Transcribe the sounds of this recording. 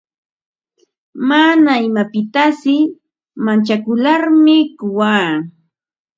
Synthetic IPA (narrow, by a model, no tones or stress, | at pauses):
manaɪmapɪt̪asɪ | mant͡ʃakʊlaɾmɪkʊwaː